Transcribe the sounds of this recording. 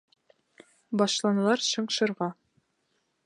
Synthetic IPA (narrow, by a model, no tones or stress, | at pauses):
bɒʃlˠɑnɤ̆lˠɑɾɕɤ̆ɴʃɤ̆ɾʁɑ